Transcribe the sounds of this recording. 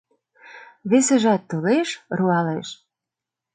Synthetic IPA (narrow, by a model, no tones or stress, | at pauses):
βesĕʒɑt̪ːoleʃruɑleʃ